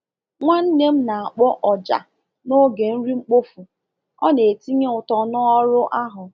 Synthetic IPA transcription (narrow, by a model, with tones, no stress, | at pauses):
ŋʷa˦n̩˦ne˦m̩˦na˨a˨k͡pɔ˦ʔɔ˨d͡ʒa̰˨ | no˦ɡe˨n̩˦ɾi˦ŋ͡m̩˦k͡po˦fu˨ | ɔ˦ne˨e˨ti˦ɲe˦ʊ˨tɔ˨nɔ˦ɔ˦ɾʊ˦ʔa˦ɦʊ˨